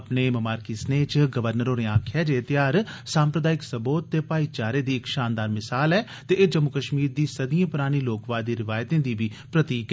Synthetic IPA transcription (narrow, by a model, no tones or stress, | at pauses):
pneːməmaːɾkiːsneːt͡ʃɡəʋəɾnəɾoːɾeːãːkʰɛːd͡ʒeːt̪jaːɾsaːmpɾəd̪aːɪksəboːt̪ːeːpaːiːt͡ʃaːɾeːd̪iːɪkʃaːnd̪aːɾmɪsaːlɛː | t̪eʔːd͡ʒəmːʊkəʃmiːɾd̪iːsəd̪ijãːpʊɾaːɽ̃iːloːkʋaːd̪iːɾɪʋaːjt̪ẽːd̪iːbiː | pɾət̪iːk